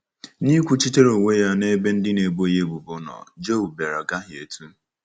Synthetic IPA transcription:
ni˦kʷu˦t͡ʃi˦te˦ɾo˨ŋʷe˦ja˦ne˦be˦n̩˦dɪ˦ne˨ɡ͡bo˦je˦bu˨bʊ˦nɔ̰˨d͡ʒo˦˨bbe˨ɾa˨ɡa˦ɦjḛ˨tu˦

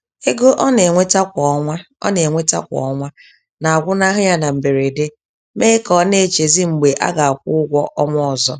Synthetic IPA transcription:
e˦ɡo˦ʔɔ˦ne˨ŋʷe˦ta˦kʷɔ˨˦ŋʷa˦ | ɔ̰˦ne˨ŋʷe˦ta̰˦kʷɔ̰˨ɔ˦ŋʷa˦ | na˨a˨ɡʷʊ˦na˦ɦʊ˦ɲa˦na˨m̩˨be˨ɾe˨de˦ | me˦kɔ˨˦ne˨t͡ʃe˨zi˦ŋ͡m̩˨ɡ͡be˨ʔa̰˦ɡa˨a˨kʷʊ˦ɡʷɔ˦ʔɔ˦ŋʷɔ˦ɔ˨zɔ˦

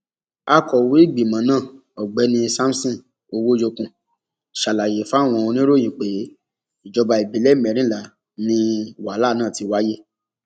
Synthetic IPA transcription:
a˧kɔ˨wi˨˦i˦˨ɡ͡bi˨mã˨˦nãː˦˨ | ɔ˨ɡ͡bɛ˨˦nĩ˧sa˦m̩˦sĩ˦˨ | o˧wo˦jo˧kũ˨ | ʃa˨la˨je˨fa˦˨w̃ɔ̃˧o˧nĩ˦ɾo˦˨jĩ˨k͡pe˨˦ | i˨d͡ʒɔ˧ba˧i˨bi˨˦lɛ˦mɛ̃˨˦ɾĩ˦la˨ | nĩ˧˨wa˨˦la˦˨nãː˦˨ti˨˦wa˦je˦

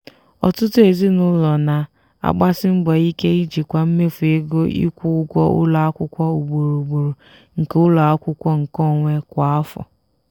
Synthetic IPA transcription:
ɔ˨tʊ˦tʊ˦e˨zi˦nʊ˦lɔ˨na˨ | a̰˨ɡ͡ba˦sɪ˦m̩˦bɔ˨i˦ke˦i˦d͡ʒi˨kʷa˨m̩˦me˦fu˨e˦ɡo˦ḭ˦kʷu˦ʊ˦ɡʷɔ˦ʔʊ̰˦la˨a˦kʷʊ˦kʷɔ˦u˨ɡ͡bo˨ɾo˨ɡ͡bo˨ɾo˨ | ŋ̩˨ke˦ʊ˦la˨a˦kʷʊ˦kʷɔ˦ŋ̩˨kɔ˦˨ŋʷe˦kʷa˨a˦fɔ̰˨

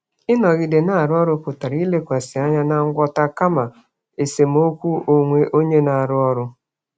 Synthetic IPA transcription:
ɪ˦nɔ˨ɣɪ˨de˨na˦˨a˨ɾʊ˦ɔ˦ɾʊ˦pʊ˨ta˨ɾi˦le˦kʷa˨sɪ˨a˦ɲa˦na˦ŋ̩˦ɡʷɔ˦ta˦ka˦ma˨ | e˨se˨m˦o˦kʷu˦o˨ŋʷe˦ʔo˦ɲe˦na˨a˨ɾʊ˦ɔ˦ɾʊ˦

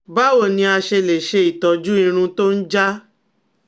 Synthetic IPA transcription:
ba˦wo˦˨nĩ˧a˧ʃe˧le˨ʃe˧i˨tɔ˨d͡ʒu˦ĩ˧ɾ̃ũ˧to˦n̩˦d͡ʒa˦

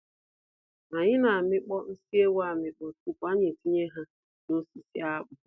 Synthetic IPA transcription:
na˨ɲɪ˦na˨a˨mɪ˦k͡pɔ˦n̩˦si˦e˦wa˦˨mɪ˨k͡pɔ˨tu˦kʷa˦ɲe˨ti˦ɲe˦ɦa˦ | no˦si˨si˦a˦k͡pʊ˨

